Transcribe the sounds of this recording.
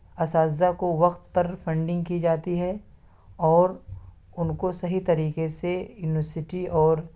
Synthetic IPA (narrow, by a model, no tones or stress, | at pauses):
ɐsaːakoʋɐqt̪pɐɾfʰɐ̃ɳɖɪ̃ŋɡ̚kid͡ʒaːt̪iɦɛ | ɔːɾ | ʊnkosɐɦit̪ɐɾiːkesejuːnɪʋəɾsɪʈiɔːɾ